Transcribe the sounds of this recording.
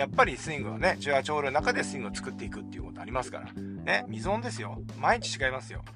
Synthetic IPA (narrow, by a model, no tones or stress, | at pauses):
japːaɾʲisɨĩŋɡɯ̟βa̰ne̞t͡ɕiat͡ɕo̞ːɾɯnnakad̪e̞sɨĩŋɡɯot͡sɨ̥kɯ̟t̪ːe̞ikɯ̟t̪ːe̞iɯ̟ko̞t̪o̞aɾʲimasɨ̥ka̰ɾa̰ne̞mʲizõ̞nd̪e̞sɨjo̞ | maiɲ̟i̥t͡ɕi̥t͡ɕiɡaimasɨjo̞̰